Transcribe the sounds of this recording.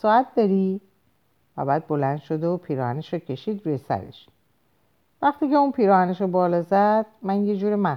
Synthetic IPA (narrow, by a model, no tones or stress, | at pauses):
sɒːæt̪̚d̪ɒɾiː | væ̰bæːd̪̚bo̞lænd̪̥ʃod̪opʰiːɾɒːhæneʃɔcʲʰe̞ʃiːd̪ɾuːjesæ̰ɾḛʃ | væxt̪iːceunpʰiːɾɒːhæneʃɔbɒːlɒːzæd̪̥̚mænjed͡ʒuːɾemæ